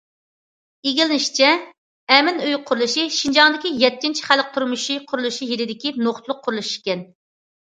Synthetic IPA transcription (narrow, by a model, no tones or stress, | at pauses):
eɡʲilɪnɪʃt͡ʃʰɛ | ɛmɪnøjqʰʊɾulˠɨʃiʃind͡ʒɑŋd̪ɪkʲijɛt̪ːint͡ʃʰi̥χælk̚t̪ʰuɾmuʃiqʰʊɾulˠuʃijeɾɪd̪ɪkʲinoχt̪lˠʊqʰːʊɾulˠuʃi̥ʃkʲɛn